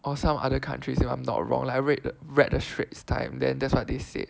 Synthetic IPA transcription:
ʔɔsãmʔa̰dəkʰã̰ntʰɹisifã̰ɪ̃mnɔ̰t̚ɹɔ̰̃ŋlaɹɛtɹɛt̚dəʃɹetstʰã̰ɪ̃mdɛ̰̃ndɛtswɔt̚desḛ

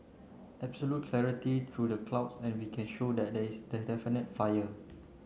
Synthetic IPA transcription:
ɛbsolut̚kʰlɛɹitit̪ʰɹudəkʰlaʊpsɛ̃nwikʰɛ̃nʃodɛt̚dɛisdədɛfinət̚fajə

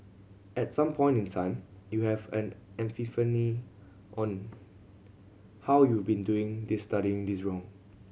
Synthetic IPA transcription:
ʔɛtsãmpʰɔ̃ɪ̃ntĩntʰãɪ̃mjuhɛvɛ̰̃nɛ̃ɱfifəni | ʔɔ̃n | hawjuvbĩnduɪ̃ŋdisːtaɾiɪ̃ŋdisɹɔ̃ŋ

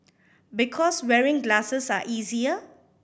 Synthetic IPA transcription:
bikʰɔswɛɹɪ̃ŋɡlasəsa̰ʔiːziə

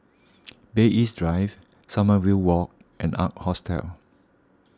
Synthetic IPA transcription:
beʔisdɹaɪv | saməwilwɔk̚ | ɛ̃na̰t̚hɔstʰɛ̰l

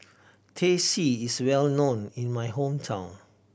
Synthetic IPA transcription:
tʰesiiswɛlnõnĩnmajɦõmtʰãʊ̃n

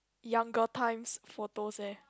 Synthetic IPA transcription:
jãŋɡətʰãɪ̃msfɔt̪osɛ

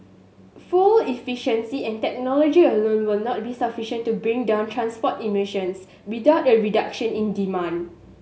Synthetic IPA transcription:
fulifiʃə̃nsiɛ̃ntɛk̚nɔlɔd͡ʒiəlõnwilnɔt̚bisafiʃə̃ntːubɹĩŋdãʊ̃ntʰɹãnspɔtimiʃə̃ns | widaʊt̚əɹidakʃə̃nĩndimãn

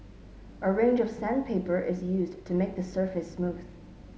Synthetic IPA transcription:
ʔəɹẽɪ̃nd͡ʒʌv̥sæ̃npʰeɪpə˞ʔɪzjʉztʰɨmeɪk̚ðɨsɜ˞fɨsmuð̥

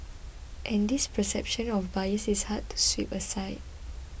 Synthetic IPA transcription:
ʔɛ̃ndispəsɛ̰p̚ʃə̃nɔfbajəsishad̚tʰu̥swipəsaɪd̚

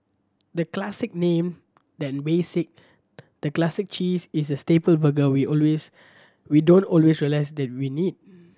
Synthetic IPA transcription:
dəklasɪk̚nẽm | dɛ̃nbesɪk̚ | d̥əklasik̚t͡ʃisisəstepəlbəɡəwiɔlwes | widõntɔlwesɹiəlaɪsdɛt̚winid̚

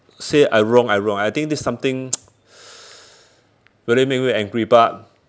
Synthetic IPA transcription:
seʔajɹɔ̃ŋajɹɔ̃ŋajt̪ĩŋk̚disãmt̪ɪ̃ŋ | ɹilimek̚miɛ̃ŋɡɹibat̚

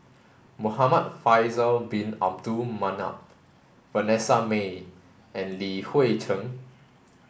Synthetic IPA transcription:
mohamat̚fajzəlbĩna̰p̚dumãna̰p̚ | vənɛsame | ʔɛ̃nlihwetʰə̃ŋ

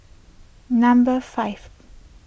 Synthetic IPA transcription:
nãmbəfaɪv

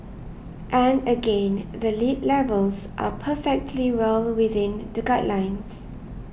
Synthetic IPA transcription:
ʔɛ̃nəɡẽnðəlitlɛvəlsʔa̰pʰəfɛk̚tʰliwɛlwɪθɪ̃ndəɡaɪʔlãɪ̃ns

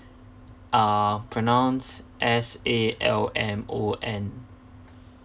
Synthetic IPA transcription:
apʰɹənãʊ̃nsʔɛseːɛ̰lɛ̃moːʔɛ̃n

